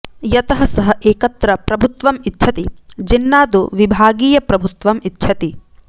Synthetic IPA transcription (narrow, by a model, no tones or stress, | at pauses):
jɐt̪ɐɦɐsɐɦɐʔeːkɐt̪ɾɐpɾɐbʱut̪ʋɐmitːʃʰɐt̪id͡ʒinːaːd̪uʋibʱaːɡiːjɐpɾɐbʱut̪ʋɐmitːʃʰɐt̪i